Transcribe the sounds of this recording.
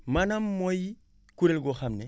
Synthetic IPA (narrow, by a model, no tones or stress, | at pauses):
manamːoji | kuɾelɡoxamne